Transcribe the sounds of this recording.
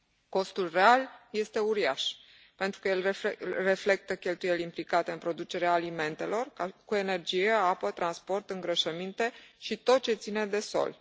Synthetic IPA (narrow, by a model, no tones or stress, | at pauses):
ko̞st̪ulre̞alje̞st̪e̞uɾiaʃ | pe̞nt̪ɾukəjelre̞fle̞k̚t̪əkʲe̞lt̪uje̞limplikat̪e̞ɨnpɾo̞d̪ut͡ʃe̞ɾeaːlime̞nt̪e̞lo̞rakue̞ne̞rd͡ʒijeapət̪ɾanspo̞rt̪ɨŋɡɾəʃəmint̪e̞ʃit̪o̞t̪̚t͡ʃe̞t̪sine̞d̪e̞so̞̰l